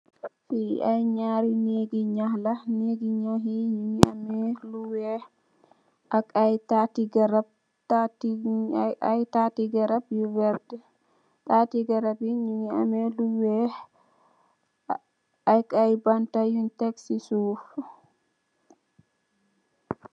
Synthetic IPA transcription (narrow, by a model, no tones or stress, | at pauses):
fiajɲaɾineɡiɲahlaneɡiɲaɦiɲuiamɛluwɛ | akajtatiɡaɾab̚ | tat | ajtatiɡaɾabjuvɛɾdɛ | tatiɡaɾabiɲuia̰mɛluwɛ | ajkajbantajuntɛksisuf